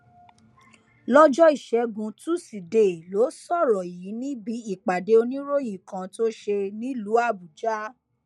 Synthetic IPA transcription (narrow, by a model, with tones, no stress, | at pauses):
lɔ˦d͡ʒɔ˦i˦˨ʃɛ˨˦ɡũ˧tu˦si˨de˨lo˨˦sɔ˦˨ɾɔ˨ji˨˦nĩ˦bi˨˦i˦˨k͡pa˨de˨˦o˧nĩ˦ɾo˦˨j̃ĩ˨kã˧to˦ʃe˧nĩ˦lu˨˦a˦˨bu˨d͡ʒa˦